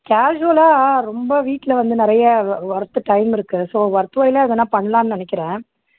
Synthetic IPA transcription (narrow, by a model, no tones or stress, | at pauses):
kaːʒʊɐlaːɾɔmbɐʋiːʈːɪlɐʋɐnd̪ɯnɪɾɐjɐʋɐɾɐt̪ːɯʈɐɪmɪɾɯkːɯsoːʋɐɾt̪ːɯʋɐjɪlɐɪðɐnːãːpɐɳːɐlaːnɯnɐnɛk̬ʲːɪɾẽː